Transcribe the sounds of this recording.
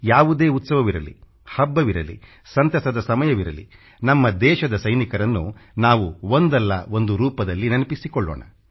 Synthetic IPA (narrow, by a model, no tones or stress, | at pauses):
jaːʋud̪eːut̪sɐʋɐʋiɾɐlḭ | hɐbːɐʋiɾɐ̰lḭ | sɐnt̪ɐsɐd̪ɐsɐmɐjɐʋiɾɐ̰lḭ | nɐmːɐd̪ɛːʃɐd̪ɐsɐjnikɐɾɐnːunaːʋuond̪ɐlːɐ̰o̞nd̪uɾuːpɐd̪ɐlːinɐnɐpisikɔɭːo̰ːɳɐ̰